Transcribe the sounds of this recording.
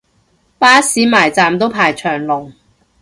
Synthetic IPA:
paː˥siː˨˥maː˨˩jt͡saː˨mt̪o˥wpʰaː˨˩jt͡ʃʰœː˨˩ŋlʊ˨˩ŋ

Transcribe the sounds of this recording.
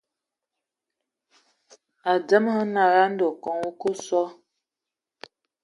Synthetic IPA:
a˨d͡zə˦mhə˦na˨ɣa˦n̩˦do˨kɔ˨ŋu˦kə˦sɔ˦

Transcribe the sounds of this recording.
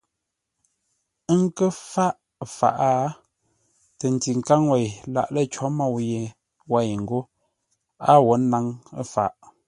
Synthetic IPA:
ə˦ŋ̩˦kə˦fa˦ʔ | fa̰˨ʔa˦ | tə˨n˨ti˨ŋ˨ka˦ŋwa˨jla̰˨ʔlə˦t͡ʃɔ˨˦ma˦˨wje˨ | wa˦˨jŋ̩˨ɡo˦ | a˦wo˨˦na˦ŋə̰˦fa̰˨ʔ

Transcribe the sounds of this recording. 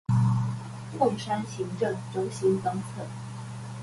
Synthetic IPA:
mʊ˥˩ŋʂa˥nɕi˧˥ŋʈ͡ʂɤ˥˩ŋʈ͡ʂo˥ʊɕi˥nt̪ɑ˥ŋt͡sʰɤ˥˩˦

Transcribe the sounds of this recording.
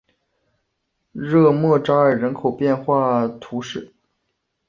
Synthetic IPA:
ɻɤ˥˧mwɤ˥˧ʈ͡ʂɑ˥ə˞˨˩ɻə˧˥nkʰo˨˩ʊpjɛ˥˧nxwa˥˩t̪ʰu˧˥ʂɻ̩˥˩

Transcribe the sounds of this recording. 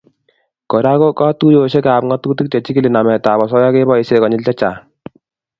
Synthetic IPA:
kɔ˨ɾa˦ko˦ka˦tu˦jo˨ɕɛ˦kaː˨pŋɔ˦tuː˦ti˦k̚t͡ʃɛ˨t͡ʃi˦ki˦li˨na˨mɛ˨ta˨bɔ˨s̬ɔ˦ja˦ke˦bɔ˦i˨sɛ˨kɔ˨ɲɪ˦lt͡ʃa˦t͡ʃaː˨

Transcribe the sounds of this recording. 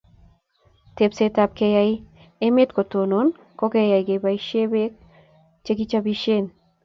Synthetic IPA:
te˨psetap̚ke˧jaj | e˦me˦tko˨to˨no˨n | kɔ˦ke˦ja˨jke˨ba˨iʃe˦be˦k̚ | t͡ʃek̬i˦t͡ʃabiʃen

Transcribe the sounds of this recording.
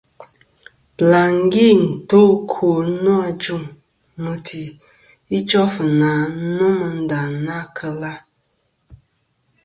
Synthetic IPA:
bla˨ŋ˦ɡi˦˨n̩˨to˦kʰo˨˦nɔ̃˦a˨d͡ʒu˦m | mə˨tʰi˨ | i˦t͡ʃɔ˦fə˨nã˨˦˨nə̃˦mə˨n̩˦da˨nã˦kʰə˧la˦

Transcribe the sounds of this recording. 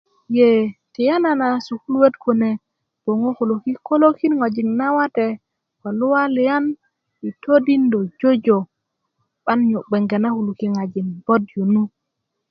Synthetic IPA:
jɛ˨tɛ˨ja˦na˨na˨su˨hu˦lwe˦tku˨nɛ˨ | b̥o˨ŋo˦ko˨lo˨ki˦ko˦lo˦ki˦nŋa˨d͡ʒi˨ŋna˦wa˦tɛ | ka˨lu˦wa˦lɛja˦n | wi˨tʰo˦di˦ndɔ˨d͡ʒo˦d͡ʒo˨ | ɓa˦nɲu˨ɓɛ˨ŋɡɛ˨na˦hu˨lu˨ki˦ŋa˨d͡ʒi˨nbɔ˦djo˨nu˦

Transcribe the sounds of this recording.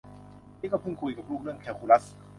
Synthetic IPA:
nʰiː˥˩kɔː˥˩pʰɯ˥˩ŋkʰu˧jka˨˩p̚ɾuː˥˩k̚lɯ˥˩əŋkʰɛː˧wkʰu˧la˦˥˩s

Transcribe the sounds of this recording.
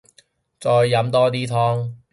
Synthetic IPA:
t͡sɔː˧jːɐ˨˧˥mt̪ɔː˥t̪iː˥t̪ʰɔː˥ŋ

